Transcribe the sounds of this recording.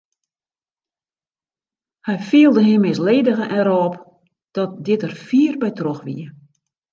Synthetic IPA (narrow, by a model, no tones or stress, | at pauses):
hɛjfiəlˠdəɦɪmːɪsleːdəɣəʔɛɾɔp | d̥ɔt̚dɪtərfiːərbɛjtroxʋḭə